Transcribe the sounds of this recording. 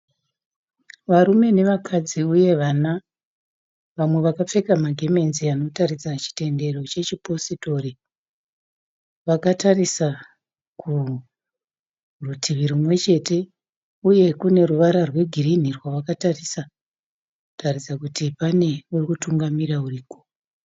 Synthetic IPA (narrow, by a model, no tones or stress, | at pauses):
ʋaɾume̞ne̞ʋakʰad͡ziuje̞ʋana | ʋamwe̞ʋakap͡fe̞kamaɡʱe̞me̞nziano̞taɾid͡zat͡ʃi̥te̞nde̞ro̞t͡ʃe̞t͡ʃipo̞sito̞ri | ʋakatarisa | kʰu | rutʰiʋiɾumwe̞t͡ʃe̞te̞ | uje̞kune̞ruʋaɾarwe̞ɡʱirinirwaʋakatarisa | tarid͡zakutipane̞urikutuŋɡamiɾauriːko